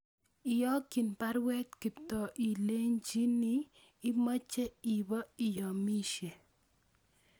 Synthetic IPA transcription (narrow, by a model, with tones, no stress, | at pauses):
ɪ˨jɔ˦ki˨npa˦ɾwɛ˦tki˨tɔ˨ʔi˨le˦ɲd͡ʒi˦niː˦ | mɔ˦t͡ʃːɛ˦i˨bɔ˦i˨jɔ˨mi˦ʃe˨